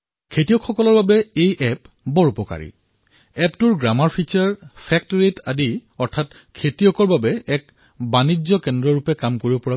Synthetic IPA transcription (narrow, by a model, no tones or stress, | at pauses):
kʰetijɔkʰxɔkɔlɔɹbabɛejʔɛp | bɔɹupɔka̰ɹḭ | ɛptuɹɡɹamaɹpʰit͡ʃaɹpʰɛk̚tɹetadiɔɹtʰat | kʰetiɔkɔɹbabɛɛk | banid͡ʑɔkɛndɹɔɹupɛkamkoɹibɔpɔɹa